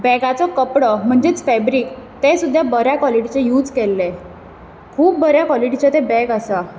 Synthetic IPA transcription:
bɛɡat͡sɔkəpɽɔm̤əɳd͡zet͡sfɛbɾiːkt̪esud̪ʱjabəɾjakɔliʈit͡ɕejuːd͡zkɛlːe | kʰuːp̚ːəɾjakɔliʈit͡ɕet̪ẽbɛɡəsa

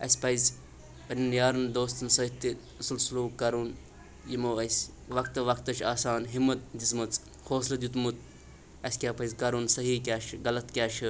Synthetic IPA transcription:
ɐ̰sʲpɐjzʲ | pɐnʲinjaːɾɐnd̪oːst̪ɐnsɐit̪ːi | ɐsulsuluːkɐɾun | jimoːɐsʲ | ʋɐkt̪ɐʋɐkt̪ɐt͡ʃʰaːsaːnɦimːɐt̪̚d̪ismɐt͡s | hʰoːslɐd̪jut̪mut̪̚ | ɐsʲkʲaːpɐjzʲkɐɾunsɐɦiːkʲaːʃɡɐlɐt̪kʲaːʃʰi

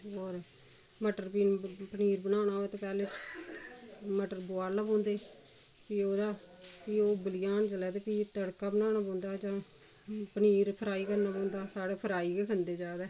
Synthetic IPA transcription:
ɔːɾ | məʈəɾpiːnpəniːɾbənaːʊnaːoeːt̪oːpɛːleː | məʈəɾboaːɾlaːpõːnd̪eː | piːoːd̪aː | pioːbəlɪjaːnd͡ʒəlɛːt̪eːpiːt̪əɽkaːbənaːnaːpõːnd̪aːd͡ʒãː | pəniːɾpʰəɾaːiːkəɾnaːpõːnd̪aːsaːɽeːpʰəɾaːiːkekʰənd̪eːd͡ʒaːd̪ɛː

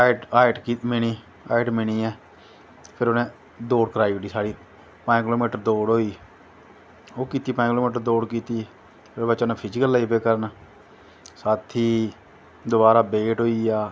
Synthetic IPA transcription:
ʈaːɪʈkimɪɳiː | a̰ːɪʈmɪɳ̃iːɛː | pʰɪɾoːnẽː | d̪oːɽkəɾaːiʈiːsaːɽiː | pakɪloːmiːʈəɾd̪oːɽɦoːiː | oːkiːt̪iːpãkɪloːmiːʈəɾd̪oːɽkiːt̪iː | pʰɪɾbət͡ʃːnẽːpʰɪd͡ʒikəlːaiːpeːkəɾən | saːt̪ʰiː | d̪ʊbaːɾaːbeːʈɦoːiːaː

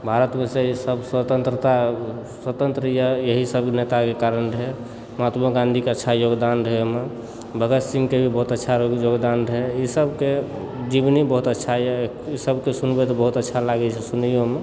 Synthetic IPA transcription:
bʱaɾət̪meseisəbswət̪ənt̪ɾət̪a | swət̪ənt̪ɾijəjəɦisəb̚kenet̪akekaɾənɾɦe | mat̪meɡãnd̪ʱikeətːʃʰajoɡd̪anɾəeme | bʱəɡət̪simkebʱibəɦut̪ətːʃʰajoɡd̪anɾəeisəbke | d͡ʒibnibəɦut̪ətːʃʰaj | isəbkesunbet̪ɔbəɦut̪ətːʃʰalaɡɛt͡ʃʰɛsunijome

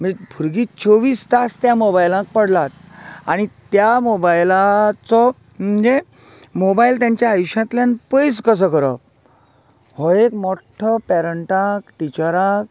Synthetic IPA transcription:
mibʱuɾɡiːt͡ɕɔʋiːst̪ast̪jamobajlãk̚pəɽlat̪ | aɽ̃it̪jamobajlat͡sɔ | məɲd͡ʑe | mɔbailt̪jãɲt͡ɕjaːjuɕãt̪ljãnpəjs̬kəs̬əkəɾə̰p̚ | hɔekmɔʈʰːəpɛɾəɳʈãkʈit͡ɕəɾak

